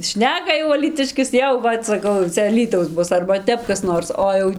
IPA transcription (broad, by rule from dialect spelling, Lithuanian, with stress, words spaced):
ˈʃʲnʲæːkɐ jɛʊ ɐlʲiːˈtʲɪʃʲkʲɪs ˈjɛʊ ˈʋɐt sɐˈkɐʊ jɛʊ ˈt͡sʲɛ ɐˈlʲiːtɐʊs ˈbʊs ɐrbɐ ˈtʲɛp kɐs ˈnoːrs ˈoː jɛʊ